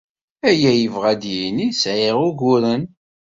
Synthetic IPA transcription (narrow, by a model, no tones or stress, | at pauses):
æjæjəvʁæd̪jinisʕeʁʊɡʊɾən